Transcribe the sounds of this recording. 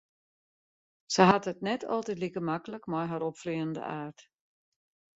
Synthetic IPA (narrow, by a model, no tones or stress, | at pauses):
səɦatətnɛtʰɔ̰lˠtɛtlikəmakələkmɔjɦaɾɔpfliəndə̰ʔaːrt